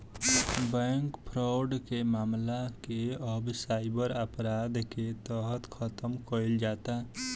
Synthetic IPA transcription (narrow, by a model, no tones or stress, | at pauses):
bɛŋkpʰɾaʊɖkemaːmlakeəbsaɪbəɾəpɾad̪ket̪əɦət̪kʰət̪əmkəild͡ʒat̪a